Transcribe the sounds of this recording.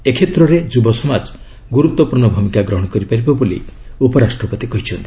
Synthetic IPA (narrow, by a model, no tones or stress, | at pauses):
ekʰet̪ɾɔɾed͡ʒubɔsɔmad͡ʒ | ɡuɾut̪wɔpuɾnɔbʱumikaɡɾɔɦɔɽ̃ɔkɔɾipaɾibɔbolḭupɔɾasʈɾɔpɔt̪ikɔɦit͡ʃʰɔnt̪i̥